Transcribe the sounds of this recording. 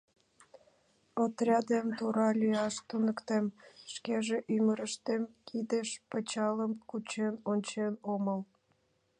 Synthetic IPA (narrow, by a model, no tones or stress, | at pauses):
ot̪rʲɑd̪emt̪uɾɑlʲyɑʃt̪unəkt̪emʃkeʒeʔyməɾəʃt̪emkʰid̪eʃpət͡ɕɑləmkut͡ɕenonʲt͡ɕenoməl